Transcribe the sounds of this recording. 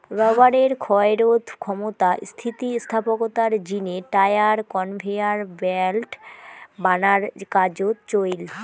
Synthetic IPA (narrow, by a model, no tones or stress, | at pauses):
ɾɔbaɾeɾkʰɔeɾod̪ʱkʰɔmot̪ast̪ʰit̪ist̪ʰapokot̪aɾd͡ʑineʈajaɾkɔnbʱiaɾbɛlʈbanaɾkad͡ʑot̪t͡ɕojl